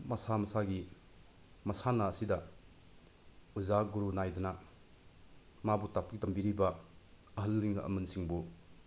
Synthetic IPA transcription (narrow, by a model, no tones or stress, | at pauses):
mɐsamɐsaɡi | mɐsanaːsidɐ | uzaɡuɾunajdɔna | mabutap̚kɡitɐmbiɾibɐ | ɐɦɐlɾiŋ̰ʔɐ̰mɐnsiŋbu